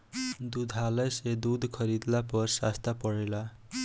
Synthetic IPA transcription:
d̪ud̪ʱɦalʌjsed̪ud̪ʱkʰʌɾid̪lapʌrsa̰st̪apʌɽela

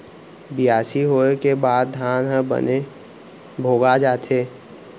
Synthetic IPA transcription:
bɪjaːsiɦoːekebaːd̪̚d̪ʱjaːnɦə̃ə̰ne | bʱoːɡad͡ʒaːt̪ʰeː

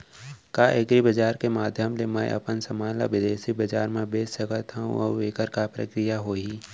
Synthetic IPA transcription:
kaːʔeɡɾibəd͡ʒaːɾkemaːd̪ʱjəmlemɛ̰̃ʔɐ̰pənsəmaːla̰ʋɪd̪eːsibɐd͡ʒaːɾmẽbeːsəkət̪ɦaṵ̃o̰ːʋeːkəɾkapɾə̰kɾijaɦoːiː

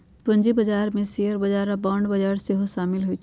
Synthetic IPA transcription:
pɐ̃ɲd͡ʒibɐd͡ʒaːɾmẽsijəɾbɐd͡ʒaːɾabãːɳɖbɐd͡ʒaːɾseɦoʃaːmɪlɦʊi

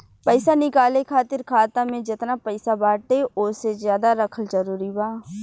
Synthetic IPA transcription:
pəɪsanɪkaːlekʰaːt̪ɪɾkʰaːt̪amẽd͡ʒɪt̪napəɪsabaːʈeʔʊːsezjaːd̪aɾɐkʰəld͡ʒɐɾuːɾibaː

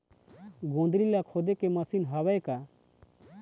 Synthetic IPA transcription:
ɡõnd̪ɾilakʰɔd̪ekeməsinɦawɛjka

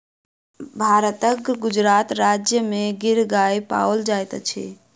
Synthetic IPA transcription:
bʱaɾət̪əkɡud͡ʒɾat̪ɾad͡ʒjəmeɡiɾɡajpa̰əld͡ʒajt̪t͡ʃʰḭ

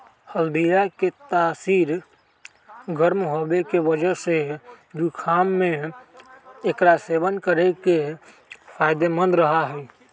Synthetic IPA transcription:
həld̪ijaket̪aːsiːɾ | ɡʱəɾmɦobekebəd͡ʒəɾse | d̪ikʰamːe | kɾasebənkəɾeke | pʰajd̪emə̃nd̪ɾəɦaɦɛ

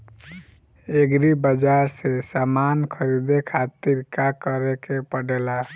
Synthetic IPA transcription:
eɡɾibəd͡ʒaɾsesamankʰəɾid̪ekʰat̪iɾkakəɾekepəɖela

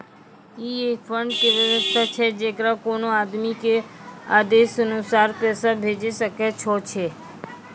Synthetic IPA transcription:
kiefʰəɳɖkeʋjəɾəst̪ʰat͡ʃʰed͡ʒekɾakonoad̪mikea̰d̪esənusaɾpɛsabʱed͡ʒeʃəket͡ʃʰɔt͡ʃʰe

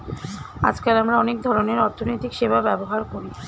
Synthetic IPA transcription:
a̰d͡ʑkalamɾaɔnek̚d̪ʱɔɾoneɾɔɾt̪ʰonojt̪ikʃebabɛboɦaɾkoɾi

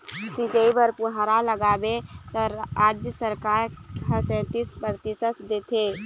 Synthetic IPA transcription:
sid͡ʒəibəɾpuɦaɾaləɡaːbet̪əɾaːd͡ʒjəsəɾkaːɾɦəsɛ̃t̪ispɾt̪ɪsət̪d̪et̪ʰe

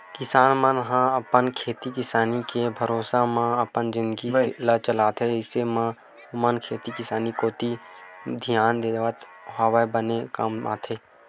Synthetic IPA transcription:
kɪsaːnmə̃nɦãəpənkʰeːt̪ikɪsaːnikebʱəɾoːsamãəpənzɪ̃nd̪ɡilət͡ʃəlaːt̪ʰɦeɪsemã | mənkʰeːt̪ikɪsaːnikoːt̪id̪ʱijaːnd̪eːʋət̪ | ɦaːʋəbənekama̰ːt̪ʰɦeː

